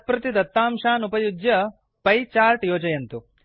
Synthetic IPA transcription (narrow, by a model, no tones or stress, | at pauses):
pɾɐt̪id̪ɐt̪ːaːmʃaːnupɐjud͡ʒjɐ | pɐjt͡ʃaːɾʈjoːt͡ʃɐjɐnt̪u